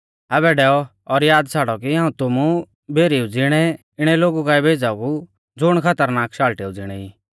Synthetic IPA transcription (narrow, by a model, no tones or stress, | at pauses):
ɐbɛɖɛːɔ | ɔɾjaːd̪sʰaːɽɔkiãːũt̪ʊmu | bʱeːɾiːud͡zɪɽ̃ɛ | ɪɽ̃ɛloːɡukaːibʱeːd͡zaku | d͡zʊɽ̃kʰɐt̪əɾnaːkʃaːlʈeːud͡zɪɽ̃ɛiː